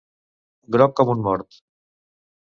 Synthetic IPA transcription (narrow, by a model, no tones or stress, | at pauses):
ɡɾɔkːɔmunmɔɾt̪